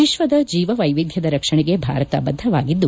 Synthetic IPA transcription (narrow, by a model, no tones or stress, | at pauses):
iʃʋɐd̪ɐd͡ʒiːʋɐʋɐjʋid̪ʱjɐd̪ɐɾɐkʂɐɳɛɡe̞bʱa̰ːɾɐt̪a̰bɐd̪ʱːɐʋa̰ːɡid̪ːu